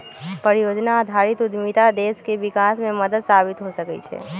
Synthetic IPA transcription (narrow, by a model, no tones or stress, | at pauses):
pəɾijod͡ʒnaːd̪ʱaɾit̪ud̪mit̪ad̪eskeʋikasmẽməd̪əd̪sabit̪ɦosəkɛ̰t͡ʃʰḛ